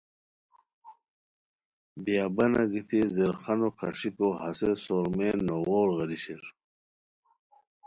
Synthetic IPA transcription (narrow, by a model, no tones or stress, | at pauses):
bjaːbɐnaɡit̪ʰizeɾχɐnokʰɐʂikoɦɐsesoːɾmenoɣoːɾɣɐliɕiɾ